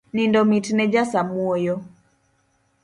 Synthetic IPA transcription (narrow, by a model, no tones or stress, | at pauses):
nindɔmitnɛd͡ʒasamwɔjɔ